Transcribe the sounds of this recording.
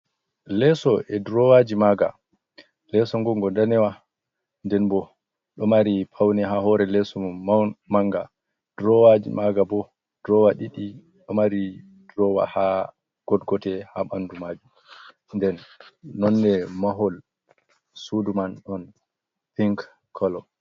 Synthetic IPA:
lɛsɔʔɛdɾɔwad͡ʒimaɡa̰ | lɛsɔŋɡɔŋɡɔndanɛwa | ndɛnbɔ | ɗɔmaɾipʰawnɛɦaɦɔɾɛlɛsɔmaŋɡa | d̥ɾɔwad͡ʒḭmaɡabɔ | d̥ɾɔwaɗiɗi | ɗɔmaɾi | dɾɔwa̰ha | ɡ̥ɔdɡɔtɛhaɓandumaːd͡ʒum | ndɛnːɔnːɛmaɦɔl | sudumanɗɔn | piŋk | kʰːɔlɔ

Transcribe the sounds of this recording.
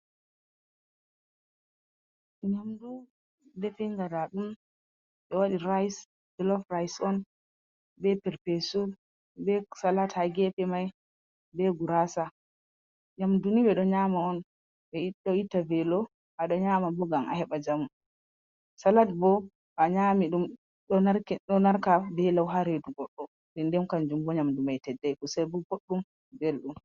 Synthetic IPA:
ɲamdu | dɛfɛŋɡadaɗum | ɓɛwaɗiɾajs | bɛlɔfrajsɔn | bɛpɛɾpɛsu | bɛsalathaɡɛpɛmaj | bɛɡuɾasa | ɲamdunibɛɗɔɲamaɔn | bɛiɗːɔitːavɛlɔ | ʔaɗɔɲamabɔɡamʔa̰hɛɓad͡ʒamu | salatbɔ | aɲamiɗum | ɗɔnaɾkɛɗɔnaɾkabɛlawɦaɾeduɡɔɗːɔ | dɛndɛmkand͡ʒumbɔɲamdumajtɛdːɛjkusabuɡoɗːum | belɗum

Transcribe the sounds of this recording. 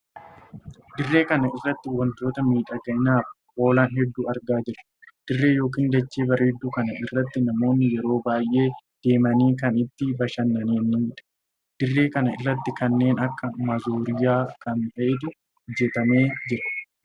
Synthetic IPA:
d̪ɪrːe̞ːkɐnɐɪrːɐt̪ːɪwɐnt̪o̞ːt̪ɐmiːᶑɐɡɐʔɪnaːf | ʔo̞ːlaːnɦɛd̪ːuːɐɾɡaːd͡ʒɪɾɐ̥d̪̥ɪrːe̞ːjo̞ːk̬iːnd̪ɐt͡ʃːeːbɐɾeːd̪ːuːkɐnɐɪrːɐt̪ːɪnɐmo̞ːnːɪjɛɾo̞ːbaːjʔe̞ːd̪̥e̞ːmɐniːkɐnɪt̪ːɪbɐʃɐnːɐniːniːᶑɐ̥ | d̪̥ɪrːe̞ːkɐnɐɪrːɐt̪ːɪkɐnːe̞ːnɐkːɐmɐzoːɾɪjaːkʰɐnt̪ɐʔet̪ʊ | d͡ʒɛt̪ɐme̞ːd͡ʒɪɾɐ̥

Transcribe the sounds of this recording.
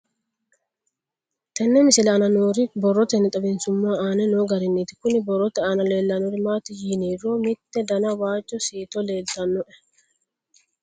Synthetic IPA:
t̪ɐnːɛmɪsɪlɐːnɐnoːɾɪbɔrːɔt̪ɛnɪt̪ʼɐbɪnsʊmːaːaːnɛnoːɡɐɾɪnːiːt̪ɪ̥kʊnɪbɔrːɔt̪ɛaːnɐle̞ːlːɐnɔɾɪmaːt̪ɪjiːniːroːmɪt̪ːɛd̪ɐnɐwaːt͡ʃʼːɔsiːt̪ɔle̞ːlt̪ɐnːɔʔɛ

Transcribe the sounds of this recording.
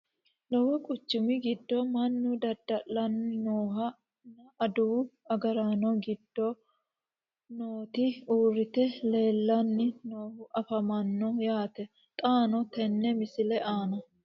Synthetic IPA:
lɔwɔkʼʊt͡ʃːʊmɪɡɪd̪ːɔmɐnːʊd̪ɐd̪ːɐʔːɐnnoːɦɐ | nɐʔɐd̪uːɐɡɐɾaːnɔɡɪd̪̥ːɔ | noːt̪ɪuːrːɪt̪ɛle̞ːlːɐnːɪnoːhʊʔɐfɐmɐnːɔjaːt̪ɛ | t̪ʼaːnɔt̪ɛnːɛmɪsɪlɛʔaːnɐ

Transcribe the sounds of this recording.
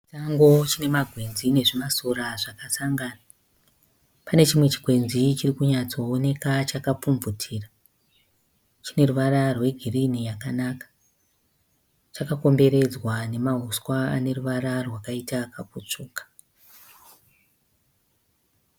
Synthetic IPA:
t͡ʃaŋɡo̞t͡ʃine̞maɡʱwe̞nzine̞ʐimasuraʐakasaŋɡaːna | pane̞t͡ʃimwe̞t͡ʃi̥ɡʱwe̞nzit͡ʃirikuɲat͡so̞ːne̞kat͡ʃakap͡fumvutʰiːra | t͡ʃine̞ruʋaɾarwe̞ɡʱirinijakanakḁ | t͡ʃakako̞mbe̞ɾe̞d͡zwane̞maɦuskwaa̰ne̞ruʋaɾarwakaitakaput͡ʂuːkḁ

